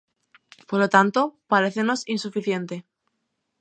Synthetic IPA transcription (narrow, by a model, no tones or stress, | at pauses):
poɾlot̪ant̪o̞paɾe̞θeno̞sinsufiθje̞nt̪e̞